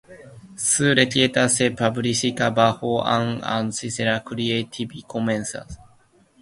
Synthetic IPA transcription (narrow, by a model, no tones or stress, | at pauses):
sɨːɾet̪ʲiet̪asepabɯ̟ɾisikabahoʔã̰ŋã̰nsiseɾakɯɾiet̪ʰibikʰomẽnsa̰s